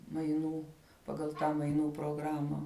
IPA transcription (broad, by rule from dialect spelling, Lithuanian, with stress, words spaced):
mɐɪˈnuː pɐˈɡɐlˠ ˈtɑː mɐɪˈnuː proːˈɡrɑːmɐ